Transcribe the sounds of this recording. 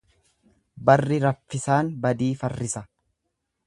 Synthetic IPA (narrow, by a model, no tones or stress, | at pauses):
bɐrːɪɾɐfːɪsaːnbɐd̪iːfɐrːɪsɐ